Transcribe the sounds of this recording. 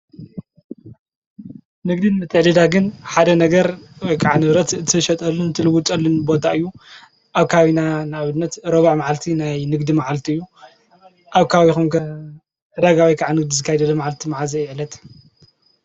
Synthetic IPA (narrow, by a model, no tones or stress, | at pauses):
nɨɡd̪inmɨt̪ʰːɨʕlɨd̪aɡɨnħad̪ɐnɐɡɐɾwɔjkʰʼaʕanɨβɾɐt̪ɨt̪ʰɨʃɐt̪ʼɐlːunt̪ʰɨlɨwut̪ʼɐlːunbo̞t̪ʰaɨjːu | ʔaβkʰaβinanɨaβɨnːɐt̪ɾoβaʕmaʕalt̪ʰinajnɨɡd̪imaʕalt̪ʰiɨjːu | ʔaβkʰaβixumkɐ | d̪aɡawijkʰaʕanɨɡ̚d̪izɨkʰːajɛd̪ɐlɐmaʕalt̪ʰimaʕazɐjʕlɐt̪